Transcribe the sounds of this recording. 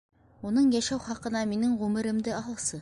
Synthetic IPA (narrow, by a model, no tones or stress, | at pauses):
unɤɴjæʃæwχɑqɤ̆nɑminɘŋʁʉmɘ̆ɾɘ̆md̪ɘɑɦɤ̆lˠsɤ